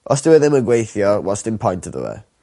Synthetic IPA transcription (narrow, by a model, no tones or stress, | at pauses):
ʔɔstəwɛðɛməɡwejθjɔwɔstɪ̃npʰɔ̃jntəðə̰wɛ̰